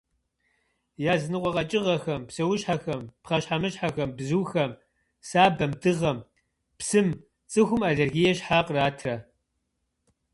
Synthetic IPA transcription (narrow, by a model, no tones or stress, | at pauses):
jaːznɨqʷʼɔqɐt͡ʃʼɪʁɐxɐmpsɐwʊɕħaxɐmpχɐɕħamɨɕħaxɐmbzuːxɐm | saːbɐmdɨʁɐm | psɨm | t͡sʼɨxʷʊmaɮerɣijɛɕħaːqraːtʰrɐ